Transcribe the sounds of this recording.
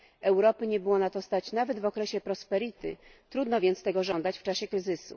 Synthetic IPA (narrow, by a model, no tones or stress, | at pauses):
ɛwɾɔpɘɲɛbɘwɔnat̪ɔst̪at͡ɕnavɛd̪vɔkɾɛɕɛpɾɔspɛɾit̪ɘ̰t̪ɾud̪nɔvʲjɛnt̪st̪ɛɡɔʐɔnd̪at͡ɕft͡ʂaɕɛkɾɘzɘsṵ